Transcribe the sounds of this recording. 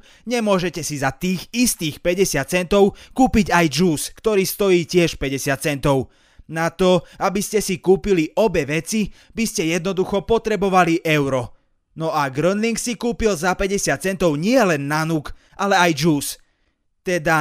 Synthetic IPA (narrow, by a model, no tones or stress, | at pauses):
ɲɛmʊɔʒɛcɛsizat̪iːɣist̪iːxpɛɟɛsɪat̪̚t͡sɛnt̪ɔʊkuːpiɟajd͡ʒuːskt̪ɔɾiːst̪ɔjiːcɪɛʃpɛɟɛsɪat̪̚t͡sɛnt̪ɔʊ | nat̪ɔabiscɛsikuːpiliʔɔbɛʋɛt͡si | biscɛjɛd̪nɔd̪uxɔpɔt̪ɾɛbɔʋaliʔɛʊɾɔ | nɔaɡɾənliŋksikuːpilzapɛɟɛsɪat̪̚t͡sɛnt̪ɔʊɲɪɛlɛnːanuk | ʔalɛajd͡ʒuːs | t̪ɛd̪a